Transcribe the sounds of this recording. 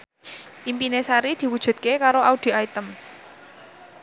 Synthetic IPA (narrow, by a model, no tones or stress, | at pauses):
ʔimpinesaɾid̪̥i̤wud̥ʒ̥ṳt̪̚kekaɾoaud̪̥i̤ait̪əm